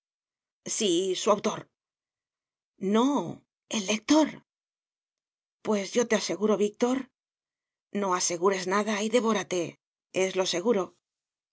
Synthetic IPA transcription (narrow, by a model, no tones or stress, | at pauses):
sisuawt̪o̞ɾ | no̞ | e̞lːe̞k̚t̪o̞ɾ | pwe̞zʝo̞t̪e̞ase̞ɣuɾo̞βik̚t̪o̞ɾ | no̞ase̞ɣuɾe̞znaðaiðe̞βo̞ɾat̪e̞ | e̞zlo̞se̞ɣuɾo̞